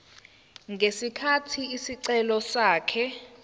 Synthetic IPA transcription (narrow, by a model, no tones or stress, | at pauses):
ŋʱesikʰatʰiisiǀɛlɔsaːkʰɛ